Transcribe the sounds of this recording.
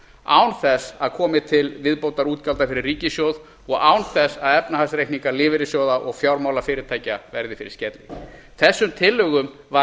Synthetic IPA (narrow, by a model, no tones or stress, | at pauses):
a̰wnθɛsaðkʰɔːmɪt̪ʰɪlvɪðpowt̪aɾuːt̪kalt̪afɪɾɪrːiːcɪsjowð | ɔɣaːwnθɛsːaðɛpnahasɾejhkniŋkaɾlɪːvɪɾɪsjoːwðaʔɔɣfjawɾmaːwlafɪːɾɪɾ̥t̪ʰaːjcavɛɾðɪfɪɾɪ̰ɾscɛt̪lɪ | θɛsːʏmt̪ʰɪlːœːɣʏm | va